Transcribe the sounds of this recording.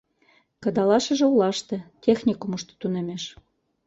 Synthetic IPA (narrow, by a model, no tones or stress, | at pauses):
kɤ̆d̪ɑlɑʃə̆ʒĕulɑʃt̪ĕtʲexnʲikumuʃt̪ɤ̥̆t̪unemeʃ